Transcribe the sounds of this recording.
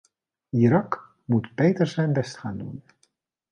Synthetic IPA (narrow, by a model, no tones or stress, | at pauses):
iɾɑk | mutbejtəɹzɛjnbɛstχaːndṵn